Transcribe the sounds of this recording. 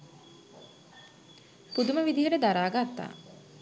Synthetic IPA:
pud̪uməʋid̪iɦəʈəd̪aɾaːɡat̪ːa̰ː

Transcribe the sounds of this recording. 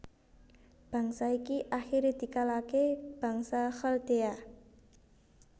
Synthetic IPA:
b̥ä̤ŋsaikiʔaxiɾed̪̥i̤kalakeb̥ä̤ŋsaxəld̪̥ea

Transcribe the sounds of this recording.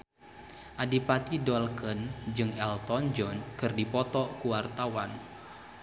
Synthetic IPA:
ʔadipat̪idɔlkənd͡ʒɨŋɛlt̪ɔnd͡ʒɔnkɨrdipɔt̪ɔkuwart̪awan

